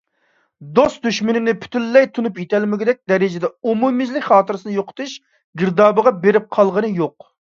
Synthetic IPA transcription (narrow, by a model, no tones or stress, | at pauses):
d̪ost̪d̪yʃmɪnɪnɪpʰy̥t̪ʰylːɛjt̪ʰunupjet̪ʰɛlmɪɡʲɪd̪ɛk̚ʲd̪ɛɾɪd͡ʒɪd̪ɛumumɪzlɪkʲχɑːt̪ɨɾɨsɨnɨjoqʰə̥t̪ʰuʃ | ɡʲɪɾd̪ɑːbəʁɑbeɾɪp̚qʰɑlˠʁənɨjoq̚